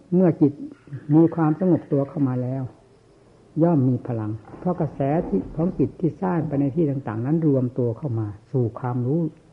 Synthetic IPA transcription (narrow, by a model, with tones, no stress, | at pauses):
mɯ˥˩ɐki˨˩t̪̚muː˧˩kʰwaː˧msa˧ŋo˨˩p̚t̪u˧ɐkʰa˥˩wmaː˧lɛː˦˧˥w | jɔː˥˩mːiː˧pʰa˧la˧ŋpʰɾɔ˧˨ka˧˩sɛː˨˦t̪ʰi˧˩kʰɔː˨˦ŋki˨˩t̪ʰːiː˥˩saː˥˩ŋpa˧jna˧jt̪ʰiː˥˩t̪aː˧ŋt̪aː˨˩ŋna˦˥nɾu˧əmt̪u˧ɐkʰa˥˩wmaː˧suː˨˩kʰwaː˧mɾuː˦˥˨